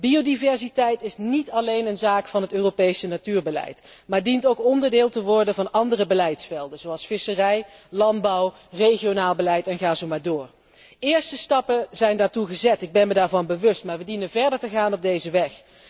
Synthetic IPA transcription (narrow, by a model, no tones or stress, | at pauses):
biowdivɛɹzitɛjtɪsnitɑlejnənzaːkfɑnɦətøːrowpejsənatyːɹbəlɛ̰jt | maːɹdintowkɔndəɹdɪːlˠtəʋɔɹdənvɑnɑndərəbəlɛjtsfɛlˠdənzowɑlˠsfɪsərɛjlɑnd̚bɑw | rejχijonaːlˠbəlɛjtɛnχaːzowmaːɹdʊːɹ | ɪːɹstəstɑpəzɛjndaːɹtuχəzɛtɪɡ̚bɛnmədaːɹvɑnbəʋɵstmaːɹʋədinənvɛɹdəɹtəɣaːnɔb̚dejzəʋɛx